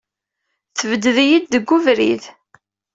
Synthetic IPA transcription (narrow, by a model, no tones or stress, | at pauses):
θəvəd̪əðijid̪ðəɡːʊvɾḭð